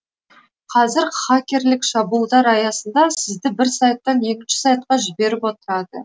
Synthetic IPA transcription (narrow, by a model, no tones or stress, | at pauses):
qʰɑzɪɾχakʲe̞ɾlɪkʃɑbulˠd̪ɑɾɑjɑsənd̪ɑsɪzd̪ɪbɪɾsɑjt̪ːɑnje̞kʲɪnʃɪ̥sɑjt̪̚qɑʒɪbe̞ɾɪpwo̞t̪əɾɑd̪ə